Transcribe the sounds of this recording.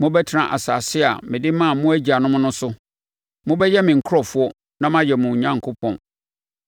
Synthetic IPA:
mʊ̃˦bɛ˦tʰɪ˦nã˨ʔa̰˨sa˨sɪ˦a̰˨mɪ̃˨dɪ˦mã˦˨mʊ̃˦æ˦d͡ʑi˨a˨nʊ̃˦mʊ̃˦nʊ̃˦sʊ˦ | mʊ̃˦bɛ˦jɛ˦mɪ̃˨ŋ̩˨kʰʊ˦ɾɔ˨fʊ˦ɔ˦ | nã˦mã˦jɛ˨mʊ̃˨ɲã˦ŋ˨kʰʊ˦pʰɔ̃˨n

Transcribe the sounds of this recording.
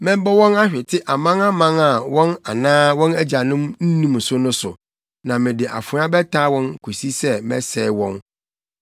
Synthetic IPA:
mɪ̃˦m˦bɔ˦wɔ̃˦na˦ɕᶣɪ˨tʰɪ˦ʔa˨mã˦na˦mã˦na˨wɔ̃˦na˨nãː˦wɔ̃˦næ˦d͡ʑa˨nʊ̃˦mn̩˦nũ˦m˨sʊ˦nʊ̃˦sʊ̰˨ | nã˨mɪ̃˨dɪ˨ʔa̰˨fʊ˨ɾã˦bɛ˦tʰaː˦wɔ̃˦n˨kʰo˨si˦sɛ˦mɛ̰˦sɛː˨wɔ̃˦n

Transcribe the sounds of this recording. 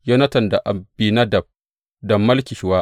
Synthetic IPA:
ja˦nɐ˦tɐ˨nda˨ʔa˨biː˨nɐ˦dɐ˨b̚ | dɐ˨mːɐ˦lkʲi˨ʃɪ˨waː˦

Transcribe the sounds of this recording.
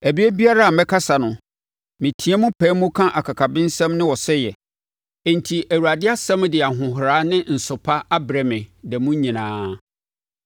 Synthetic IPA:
æ˨bi˦ɛ˦bi˦a˦ɾa˦a˨mɛ̃˦kʰa˦sa˨nʊ̃˨ | mɪ̃˨tʰĩ˦ã˦mʊ̃˦pʰɛ̃ː˨˦mũ˦kʰã˦ʔa˨kʰa˨kʰa˨bɪ̃˦n˦sɛ̃˦mnɪ̃˦wɔ˨sɛ˦jɛ˨ | ɛ˨n˨tʰi˨ʔæ˨wu˨a˨dɪ˦a˦sɛ̃˦m˦dɪ˨a˨ɦʊ̃˨ɦɾaː˦nɪ̃˦n̩˨sʊ˨pʰa˦a˦bɾɛ˨mɪ̃˨dɛ˨mũ˦ɲĩ˨nãː˦

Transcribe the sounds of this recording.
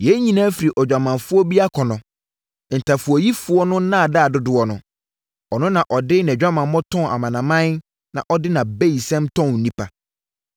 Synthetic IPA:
jɛ˨˦ɲĩ˨nã˦fi˨ɾi˨ʔɔ˨d͡ʑᶣa˨mã˨nfʊ˦ɔ˦bi˦a˦kʰɔ˨nʊ̃˨ | n̩˨tʰa˨fʊ˨ɔ˨ji˦fʊ˦ɔ˦nʊ̃˦nã˦˨da˦˨dʊ˦dʊ˨ɔ˨nʊ̰̃˨ | ɔ˨nʊ̃˦nã˨ʔɔ˨dɪ˦nɪ̃˨d͡ʑᶣa˦mã˨n˦mɔ̃˦tʰɔ̃˦na̰˨mã˨nã˨mã˦n | nã̰˨ʔɔ˦dɪ˦nã˨be˦i˨sɛ̃˦mtʰɔ̃˦n̩˨nĩ˦pʰa˨

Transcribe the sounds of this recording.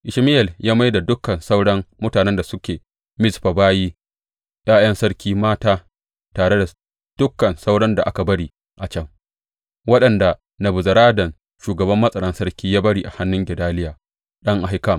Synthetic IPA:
ʔɪ˨ʃmɪ˦ʔɛ˨ljaː˦ma˦jda˨dʊ˦kɐ˨nsa˦wɽɐ˦mmʊ˦taː˨nɛ˦nda˨sʊ˦kʲeː˨ | mɪ˦sɸa˨baː˦jiː˦ | j̰aː˦j̰ɐ˦nsɐ˦ɽkʲiː˦maː˦taː˦ | taː˨ɽe˦da˨ | d̥ʊ˦kːɐ˨nsa˦wɽɐ˦nda˨ʔa˦ka˨bɐ˦ɽiː˦ | ʔa˨t͡ʃɐ˦ŋ | wɐ˦ɗɐ˨nda˨ | nɐ˨bʊ˨zɐ˨ɾaː˦dɐ˨n | ʃuː˨ɡɐ˨bɐ˦mːɐ˦sʼɐ˨ɽɐ˦nsɐ˦ɽkʲiː˦jaː˦bɐ˦ɽiː˦ʔa˨ha˦nːʊ˦ŋɡʲɛ˨daː˦lɪ˦jaː˨ | ɗɐ˦ŋʔa˨ɦɪ˦kɐ˦˨m

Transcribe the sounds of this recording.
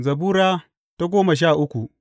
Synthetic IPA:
zɐ˨buː˦ɾaː˦ | ta˦ɡʷoː˦mɐ˨ʃ̬aː˦˨ʔʊ˦kʷu˨ʔ

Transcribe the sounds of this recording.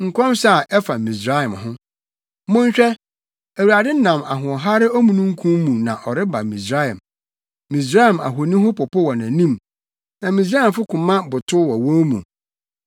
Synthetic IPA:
ŋ̩˨kʷʰɔ̃˦msa˦a˨ʔɛ˦fa˨mĩ˨sɾa˦ɪ˨mhʊ̃˦ | mʊ̃˦ɲ˦ɕᶣɛ˦ | æ˨wu˨ɾa˨dɪ˦nã˨ma̰˨ɦʊ̃˨ɔ˨ɦa˦ɾɪ˦ɔ˦mũ˨nũ˦ŋ̩˦kʰũ˦m˦mũ˨nã̰˨ʔɔ˨ɾɪ˦ba̰˨mĩ˨sɾa˦ɛ̰̃˨m | mĩ˨sɾa˦i˨ma̰˨ɦo˨nĩ˦ɦʊ̃˦pɔ˨pʰɔ˦wɔ˨nã˨nĩ˦˨m | nã˨mĩ˨s̬ɾa˦ɪ̃˨mfʊ˦kʰʊ̃˨mã˦bʊ˨tʰʊ˦wɔ˨wɔ̃˦mṵ̃˨

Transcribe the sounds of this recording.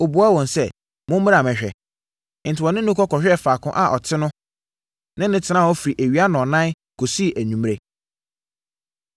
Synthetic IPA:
o˨bu˨a˦wɔ̃˨nsɛ˦ | mʊ̃˦m˦a˨mɛ̃˨ɕᶣɛ˨ | n̩˨tʰɪ˨wɔ˨nɪ̃˦nʊ̃˦kʰɔ˦kʰɔ˨ɕᶣɛ˦˨faː˨kʰʊ̰̃˦ʔa˨ʔɔ˨tʰɪ˦nʊ̃˦ | nɪ̃˦nɪ̃˦tʰɪ˨nã˦˨ɔ˦fi˨ɾi˨ʔæ˨ɥi˨˦a˦nɔ̃˨nã˦ | kʰo˨si˦˨ʔæ˨ɲũ˨m˦ɾe˨

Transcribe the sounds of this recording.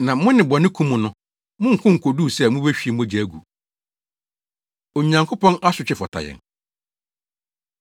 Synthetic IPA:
nã˨mʊ̃˦nɪ̃˨bɔ˨nɪ̃˦kʰũ˦mʊ̃˨nʊ̃˦ | mʊ̃˦ŋ̩˨kʰʊ̃˦ŋ̩˨kʰo˨du˦˨sɛ˦˨mʊ̃˦bæ˦ɕᶣi˨e˨mʊ̃˦d͡ʑi˨æ˨ɡṵ˨ | o˨ɲ˨ã˨ŋkʰʊ˦pʰɔ̃˦nʔa˦sʊ˨t͡ɕʰᶣɪ˦fɔ˨tʰa̰˨jɛ̰̃˨n

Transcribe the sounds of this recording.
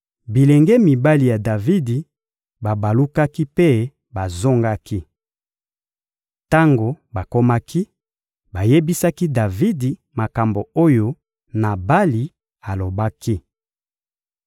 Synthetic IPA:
bi˨lɛ˨ŋɡɛ˦mi˨ba˦li˨ja˨da˨vi˦di˨ | ba˨ba˨lu˦ka˦ki˦pe˦ | ba˨zo˦ŋɡa˦ki˦ | ta˦ŋɡo˨ | ba˨ko˦ma˦kʰi˦ | ba˨je˦bi˦sa˦ki˦da˨vi˦di˨ | ma˨ka˨mbo˨o˦jo˦ | na˨ba˦li˨ | a˨lo˨ba˦ki˦

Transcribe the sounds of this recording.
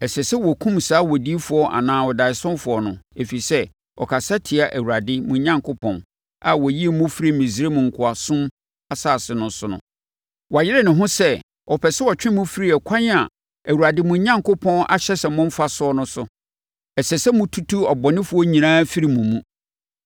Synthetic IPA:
ɛ˨sɛ˨sɛ˦wɔ˨kʰũ˦msaː˦wɔ˨di˦fʊ˨˦ɔ˦ʔa̰˨nãː˦wɔ˨da˨ɪ˨sɔ̃˦fʊ˨ɔ˨nʊ̰̃˨e˨fi˨sɛ˦ | ɔ̰˨kʰa˨sa˦tʰɪ˨a˨ʔæ˨wu˨ɾa˨dɪ˦mũ˨ɲã˦ŋkʰo˦pʰɔ̰̃˨n | a˨wɔ˨ji˦˨mʊ̃˦fi˦ɾi˦mĩ˨zɾe˦mʊ̃˨ŋ̩˨kʰʊ˨a˨sʊ̃˦m | a˨saː˦˨sɪ˨nʊ̃˦sʊ˦nʊ̰̃˨ | wa˨jɪ˦ɾɛ˦˨nɪ̃˨ɦʊ̃˦sɛ˦ | ɔ˨pʰɛ˨sɛ˦wɔ˨t͡ɕᶣɪ̃˦mũ˦fi˦ɾi˦ɛ˨kʷʰã˦n˦a˨ | æ˨wu˨ɾa˨dɪ˦mʊ̃˨˦ɲã˦ŋkʰo˦pʰɔ̃˦na̰˨ɕɛ˦sɛ˨mʊ̃˦m̩˦fa˦sʊ˦ɔ˦nʊ̃˦sʊ˨ | ɛ˨sɛ˨sɛ˦mʊ̃˦tʰu˦tʰu˦ɔ˨bɔ˨nɪ̃˦fʊ˨ɔ˦ɲĩ˨nãː˦fi˦ɾi˨mũ˨mũ˦

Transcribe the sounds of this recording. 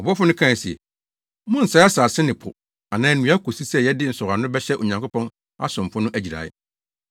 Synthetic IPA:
ɔ˨bɔ˦fʊ˦nʊ̃˦kʰã˦˨si˨ɛ̰˨ | mʊ̃˦n̩˨sa˨˦a˦saː˨sɪ˦nɪ̃˨pʰʊ̰˨ | a˨nãː˦n˨nũ˦a˦kʰo˨si˦sɛ˦˨jɛ˦dɪ˦n̩˨sʊ˨ɾa˨nʊ̃˦bɛ˦ɕɛ˦ʔo˨ɲã˨ŋkʊ˦pʰɔ̃˦n | a̰˦sʊ̃˨m˨fʊ̃˦nʊ̃˦ʔæ˨d͡ʑi˨ɾa̰ː˨ɪ̰˦

